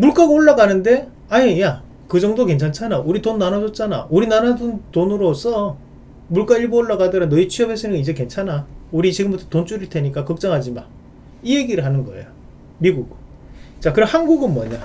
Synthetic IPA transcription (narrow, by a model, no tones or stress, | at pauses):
muɭk͈aɡaoɭːaɡanɯnde̞ | aɲija | kɯd͡ʑʌŋdoke̞nt͡ɕʰant͡ɕʰanauɾitonːanad͡ʑʌt̚t͡ɕ͈ana̰uɾinanaduntonɯɾos͈ʰʌ | muɭk͈aiɭbooɭːaɡadɯɾanːʌit͡ɕʰiʌbes͈ʰɯnɡid͡ʑe̞ke̞nt͡ɕʰanauɾit͡ɕiɡɯmbutʰʌtont͡ɕ͈uɾiɭte̞ɲik͈akʌk̚t͡ɕ͈ʌŋɦad͡ʑima̰n | ieɡiɾɯɭɦanɯnɡʌ̰ḛjo | miɡuɡ | t͡ɕakɯɾʌhanɡuɡɯnmʌɲa